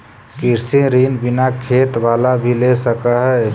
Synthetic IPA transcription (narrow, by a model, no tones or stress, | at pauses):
kiɾsiɾinbinakʰet̪ʋaːlabʱilesəkaɦɛ